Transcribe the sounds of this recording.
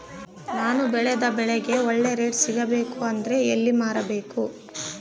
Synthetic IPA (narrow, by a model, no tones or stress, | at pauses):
naːnubɛɭɛd̪ɐbɛɭɛɡe̞ɔɭːeɾe̞ːʈsiɡɐbe̞ːkuɐnd̪ɐɾe̞elːimaːɾɐbe̞ːku